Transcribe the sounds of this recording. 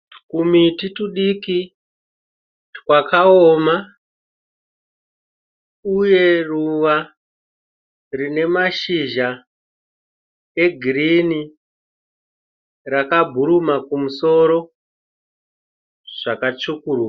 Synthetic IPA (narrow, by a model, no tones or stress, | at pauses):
kumitituɗiki | wakaoːma | uje̞ruʋa | rine̞maʃiʒa | eɡʱiɾini | rakabʱuɾumakumuso̞ɾo̞ | ʐ̥akat͡ʂukuɾuka